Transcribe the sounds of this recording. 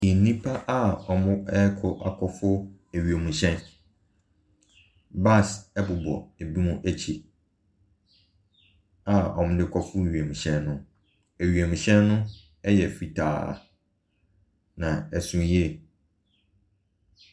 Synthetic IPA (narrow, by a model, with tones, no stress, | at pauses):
i˨˦nĩ˦pʰa˦ʔa˦ɔ˨mʊ̃˦ɛ˦kʰɔ˨ʔa˨kʰɔ˦fʊ˦ | æ˨ɥi˨e˨mũ˨ɕɛ̃˦n | ba˦˨sɛ˦bʊ˨bɔ̰˨æ˨bi˦mũ˦ʔæ˦t͡ɕʰi˨ | a˨ɔ˨mʊ̃˦dɪ˦kʰɔ˦fʊ˦˨ɥe˨mũ˨ɕɛ̃˦nːʊ̃˦ | æ˨ɥi˨e˨mũ˨ɕɛ̃˦nːʊ̃˦ | ɛ˦jɛ˨fi˨tʰa̰ː˨ | nã˨æ˨sũ˨jɛ˦